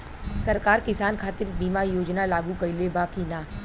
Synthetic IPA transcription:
sɐɾkaːɾkɪsaːnkʰaːt̪ɪɾbiːmajoːd͡ʒnalaːɡũkɐilebaːkinaː

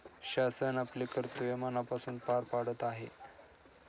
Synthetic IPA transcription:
ɕasənaplekəɾt̪uʋemanapasuːnpaɾpaɽət̪aɦe

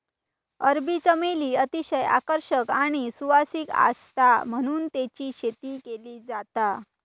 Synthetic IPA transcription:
əɾbit͡səmeliːət̪iɕəja̰kəɾɕəkaɽ̃isuʋasika̰st̪am̤əɽ̃uːnt̪et͡ɕiːɕet̪iːkeliːd͡zat̪a

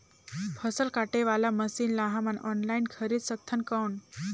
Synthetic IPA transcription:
pʰəsəlkaʈeʋalaməsiːnlaɦamanɔ̰nlajinkʰəɾiːt̪sək̚t̪ʰːənkəwɳ

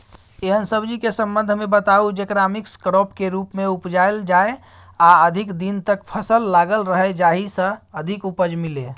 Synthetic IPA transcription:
eɦənsəbd͡ʒikesə̃mbənd̪ʱmebət̪aud͡ʒekɾamikskɾopkeɾupmeupd͡ʒaeld͡ʒae | aəd̪ʱikd̪int̪əkpʰəsəlːaɡəlɾəɦɛd͡ʒaɦisə̃əd̪ʱikupəd͡ʒmile

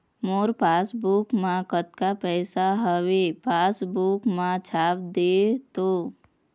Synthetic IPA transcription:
moːɾpaːsbukmãkət̪kapɛːsaɦəwepaːsbuːkmãt͡ʃʰaːpd̪eːt̪oː

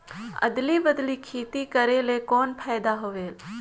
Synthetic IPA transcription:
ə̰d̪libəd̪likʰeːt̪ikəɾelekoːnpʰɛːjd̪aɦoʋeːl

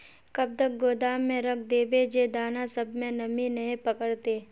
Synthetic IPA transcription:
kɐb̚t̪ək̚ɡoːd̪aːmːẽɾɐkʰd̪eːbed͡ʒeːd̪aːnasɐbmẽnɐmĩnɐɦĩpɐkəɽt̪eː

